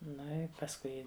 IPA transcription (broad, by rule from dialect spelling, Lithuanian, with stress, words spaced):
ˈnʊ ɪ pɐsˈkʊɪ